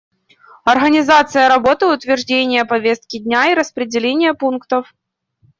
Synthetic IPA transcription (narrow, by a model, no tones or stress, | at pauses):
ɐrɣənʲɪzat̪sɨjəɾɐbo̞t̪ɨʊt̪vʲɪrʐdʲenʲɪjəpɐvʲest̪̚kʲɪdʲnʲaiɾəspɾʲɪdʲɪlʲenʲɪjəpunkt̪əf